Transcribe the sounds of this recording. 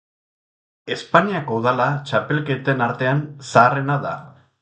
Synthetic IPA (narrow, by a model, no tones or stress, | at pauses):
e̞spaniako̞ðalat͡ʃape̞lke̞t̪e̞naɾt̪e̞ansaːre̞naða